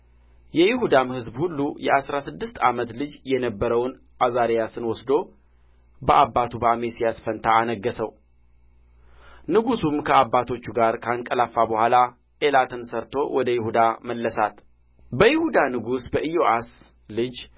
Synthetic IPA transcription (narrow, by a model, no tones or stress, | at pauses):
jɛjɪhud̪amhɨzbhulːujɛʔasɾasɨd̪ːɨst̪a̰mət̪lɨd͡ʒjɛnəbːəɾəwn | ʔazaɾejasɨnwɔsd̪o̞ | bəʔabːat̪ʰubəamesijasfənt̪ʰaːnəɡːəsəw | nɨɡusumkʰəabːat̪ʰo̞t͡ʃːuɡaɾkʰaŋkʼəlafːabəhʷala | ʔelat̪ʰənsəɾt̪ʰo̞wʔɔd̪əjɪhud̪aməlːəsat̪ | bəjɪhud̪anɨɡusbəʔijoʔas | lɨd͡ʒ